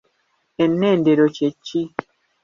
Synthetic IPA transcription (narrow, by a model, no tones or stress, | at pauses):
ɛnːɛndeɾot͡ʃet͡ʃːi